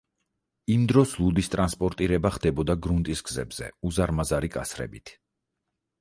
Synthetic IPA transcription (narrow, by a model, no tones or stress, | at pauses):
imd̪ɾɔslˠud̪ist̪ʼɾanspʼɔɾt̪ʼiɾɛbaχd̪ɛbɔd̪aɡɾunt̪ʼisɡzɛ̰bz̥ɛ̰uzaɾmazaɾikʼasɾɛ̰bit̪ʰ